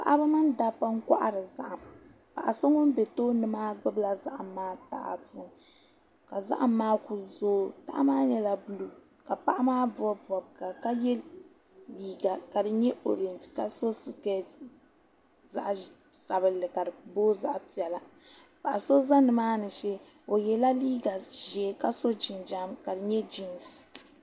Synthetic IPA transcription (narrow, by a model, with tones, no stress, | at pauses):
pa̰˨ʔa˦ba˦ma˦nda˦˨pːa˦ŋ̩˦ka̰˦ʔa̰˨ɾɨ˨za̰˦ʔa˨m | pa̰˨ʔa˨so˦ŋo˦m˦bɛ˨toː˦nɨ˨maː˦ɡ͡bɨ˦bla˨za˦ʔa˨maː˦ta̰˨a̰˨tu˦n | ka˨za̰˦ʔa˨mːaː˦ku˨zoː˦ta̰˦ʔa̰˦maː˦ɲɛ˦la˨bu˦lu˦ | ka˨pa˦ʔa˦maː˦bɔ˦˨ɔ˨bka˨ka˦jɛ˦l | liː˦ɡa˨ka˨dɨ˨ɲɛ˦ʔo˨ɾi˨nd͡ʒka˨so˦sɨ˦kɛ˦ | za̰˦ʔ | sa˨bɨ˨lːɨ˨ka˨dɨ˨boː˦za˦ʔpi˨ɛ˨la˨ | ba˨ʔa˨so˦za˦nɨ˨maː˦nɨ˨ʃɛ˦ | o˨jɛ˨la˦liː˦ɡa˨ʒɛː˨ka˦so˦d͡ʒi˨nd͡ʒa˦mka˨dɨ˨ɲɛ˦d͡ʒi˨ns